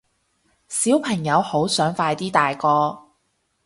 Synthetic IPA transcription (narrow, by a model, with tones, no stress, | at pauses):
siː˨˥wpʰɐ˨˩ŋjɐ˨˧who˨˥wsœː˨˥ŋfaː˧jt̪iː˥t̪aː˨jkɔː˧